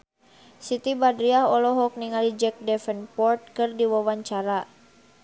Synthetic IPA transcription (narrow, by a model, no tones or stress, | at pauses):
sit̪ibadɾiaɦɔlɔɦɔk̚niŋalid͡ʒɛk̚dɛfɛnpɔrt̪̚kɨrdiwawaɲt͡ʃaɾa